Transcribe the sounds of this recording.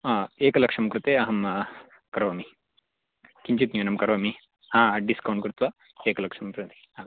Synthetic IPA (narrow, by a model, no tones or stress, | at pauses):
eːkɐlɐkʂɐmkɾut̪eːɐɦɐm | kɐɾʋɐmi | kiɲt͡ʃit̪ɲuːnɐmkɐɾʋɐmi | haːɖiskɐwɳɖkɾut̪ʋɐ | eːkɐlɐkʂɐmpɾint̪i̥ | a